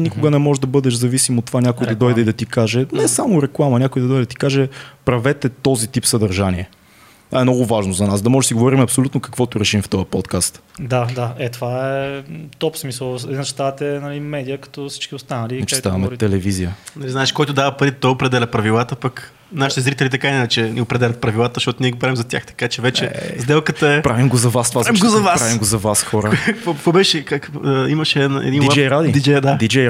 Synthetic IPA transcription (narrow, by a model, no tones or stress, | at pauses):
nikʊɡənɛmɔʒɛd̪ɐbɤd̪ɛʃzɐvisimot̪ːovanʲakʊj̪ɐd̪ɔjd̪ɛid̪ɐt̪ikaʒɛnɛsamʊɾɛklˠamɐnʲakʊjd̪ɐd̪ɔjd̪d̪ət̪i̥kaʒɛpɾɐvɛt̪ɛt̪ɔzit̪ipsɐd̪ɐɾʒaniɛ | ɛmnɔɡʊvaʒnozɐnasd̪ɐmɔʒɛsiɡovɔɾimɐpsolʲut̪nokɐ̥kvɔt̪ʊɾɛʃimft̪ɔjəpɔt̪kast̪d̪ad̪aɛt̪ovaɛt̪ɔpsmisəlˠɛd̪inʃt̪at̪ɛnɐlimɛd̪ijəkɐ̥t̪ɔfsi̥t͡ʃk̟iʊst̪anəliɐt͡ʃɛ̥t̪avɐmɛt̪ɛlɛvizijənɐlizaɛʃkɔjt̪ʊd̪avəpɐɾit̪t̪ɔjopɾɛd̪ɛlʲɐpɾɐvilˠat̪əpək | naʃit̪ɛzɾit̪ɛlʲit̪̬ɐkainɛnɛt͡ʃɛniopɾɛd̪ɛlʲɐt̪̚pɾɐvilˠat̪əzəʃt̪ɔt̪ʊniɛɡopɾavimzɐt̪ʲja̰xt̪ɐ̥kat͡ʃɛvɛt͡ʃɛzd̪ɛlˠkət̪əɛpɾavimɡozɐvast̪ovaaimɡozɐvaspɾaavimɡozɐvasxɔɾəkvokvobɛʃɛkakːiməʃɛnɛ̰d̪ind͡ʒɛjɾad̪id̪id͡ʒɛjd̪ad̪id͡ʒɛ